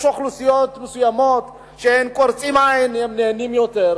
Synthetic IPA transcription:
ʃoxlusijot̪mɪsujamot̪ | ʃenkʼoɾt͡sʼimʕajnhɛmneʕnimjot̪eɾ

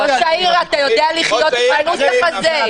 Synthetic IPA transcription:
oʃaiʁaat̪ajo̞d̪ealiχjot̪manuaχaze

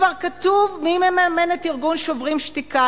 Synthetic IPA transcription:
vaʁkat̪uvmimemeamenetiʁɡunʃovʁimʃtika

